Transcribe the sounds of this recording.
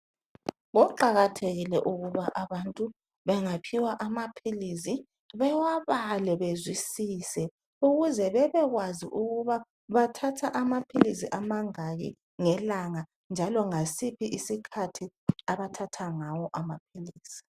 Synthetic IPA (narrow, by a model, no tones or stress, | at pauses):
ɣɔǃaɣatʰeɣilɛʔuɣuβaʔaβantʼu | βɛŋapʰiwaʔamapʰilis̬i | βɛwaβalɛβezwisiːsɛ | uɣuzɛβɛβɛɣwaziʔuɣuβa | βatʰatʰaʔamapʰilisiʔamaŋajḭ | ŋɛlaŋa | nd͡ʒʱalɔŋasipʰiʔisikʰatʰi | aβatʰatʰaŋawɔʔamapʰiliːsi̥